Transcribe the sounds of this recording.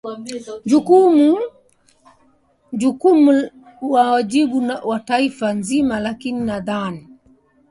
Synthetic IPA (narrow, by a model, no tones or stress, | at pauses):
d͡ʒukumu | ʄukumu | wawaʄiɓuwataifanzimalakininaðani